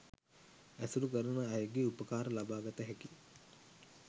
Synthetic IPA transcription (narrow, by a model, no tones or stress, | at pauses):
æsulukəɾənəːjəɡeupəkaːɾəlabaːɡat̪əɦɛki